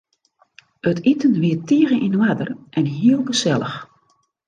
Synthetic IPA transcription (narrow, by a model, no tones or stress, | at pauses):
ətitənʋiətiəɣəʔinʋadərʔɛnɦiəlˠɡəsɛlˠə̰x